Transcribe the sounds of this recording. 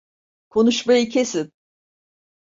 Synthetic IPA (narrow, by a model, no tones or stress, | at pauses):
kʰo̞nuʃmajicʰesin